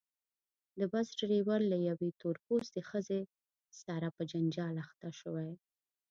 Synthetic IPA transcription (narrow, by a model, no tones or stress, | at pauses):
d̪əbasʈɾewaɾlajawet̪oɾposd̪exəze | saɾapəd͡ʒand͡ʒɑlaxt̪aʃəwaj